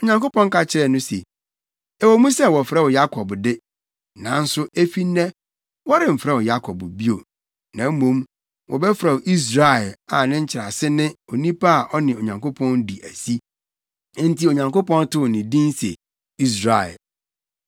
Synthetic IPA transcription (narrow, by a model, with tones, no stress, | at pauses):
o˨ɲã˨ŋko˦pɔ̃˦ŋ˦ka˨t͡ɕʰɪ˦ɾɛ˨nʊ̃˦sḛ˨ | ɛ˨wo˨mũ˦sɛ˦wɔ˨fɾɛ˦wʊ˨ja˦kʰɔ˨bdɪ˦ | nã˨n̩˦sʊ˦ʔe˦fi˦nːɛ̃˦ | wɔ˦ɾɪ˨m̩˨fɾɛ˦˨wʊ˨ja˦kʰɔ˨bbi˦o̰˨ | nã˨˦m̩˦mõ˨˦m | wʔɔ̰˨bɛ˦fɾa˨wʔi˦s̬ɾa˦˨ɛ˨la˨nɪ̃˦ɲ̩˦t͡ɕʰɪ˨ɾa˨sɪ˦nɪ̃˦o˨nĩ˦pʰa˦a˨ʔɔ˦nɪ̃˨o˨ɲã˨ŋko˦pʰɔ̃˦ndi˨ʔæ˨si˦ | n̩˦ti˨o˨ɲã˨ŋko˦pɔ̃˦n˦tʰʊ˦˨nɪ̃˨dĩ˦n˦sɛ̰˨ | i˦s̬ɾa˨ɛ̰˨l